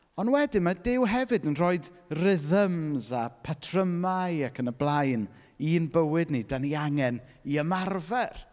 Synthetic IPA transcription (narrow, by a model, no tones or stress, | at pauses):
ɔnwɛdɪmadɪwɦɛvɨdənrɔːɨdrɪðəmzapʰatʰrəmajakʰənəblˠajn | iːnbəwɨdnidaniaŋɛniəmarvɛr